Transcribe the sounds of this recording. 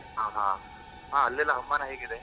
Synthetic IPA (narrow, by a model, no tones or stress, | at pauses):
ɦaːɦã̰ | ɦãːɐlːɐlːaɦɐmːanaɦeːɡid̪e